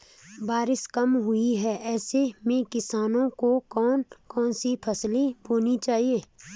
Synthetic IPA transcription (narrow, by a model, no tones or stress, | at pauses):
baːɾɪʃkɐmɦʊiɦɛʔɛːsemẽkɪsaːnõkokɔːnkɔːnsipʰɐslibʱoːnit͡ʃaːɦieː